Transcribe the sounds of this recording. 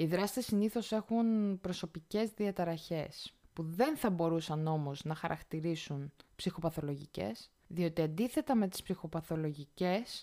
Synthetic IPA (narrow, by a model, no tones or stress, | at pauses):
iðɾɐst̪isiniθo̞se̞xunpɾo̞so̞pice̞zðiɐt̪ɐɾɐçe̞spuðe̞nθɐbo̞ɾusɐno̞mo̞znɐxɐɾʔɐ̰kt̪iɾisunpsixo̞pɐθo̞lo̞ʝice̞̰s | ðio̞t̪iɐnd̪iθe̞t̪ɐme̞t̪i̥spsixo̞pɐθo̞lo̞ʝice̞s